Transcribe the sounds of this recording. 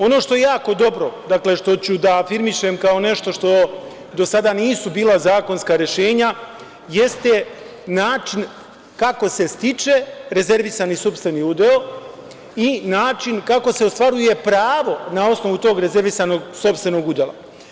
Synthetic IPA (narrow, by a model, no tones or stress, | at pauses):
o̞no̞ːʃt̪o̞jejaːko̞d̪o̞bɾo̞d̪akle̞ʃt̪o̞t͡ɕud̪aːfiɾmiʃemkao̞ne̞ʃt̪o̞ʃt̪o̞ | d̪o̞sad̪aniːsubiːlˠazaːko̞nskaɾjeʃe̞ːɲa | je̞st̪e | naːt͡ʃin | kako̞se̞st̪it͡ʃe̞ɾe̞ze̞ɾʋisanisupst̪ʋe̞niud̪eo | inaːt͡ʃinkako̞se̞ost̪ʋaɾuje̞pɾaːʋo̞nao̞sno̞ʋut̪o̞ːɡɾe̞ze̞ɾʋisano̞ɡso̞pst̪ʋe̞no̞ɡud̪elˠa̰